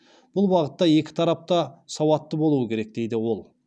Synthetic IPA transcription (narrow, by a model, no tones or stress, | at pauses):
b̥ʊlˠbɑʁət̪ːɑje̞kʲɪ̥t̪ʰɑɾɑp̚t̪ɑsɑwɑt̪ːəbo̞lˠuəkʲʰe̞ɾe̞k̚d̪e̞jd̪ɪwo̞lˠ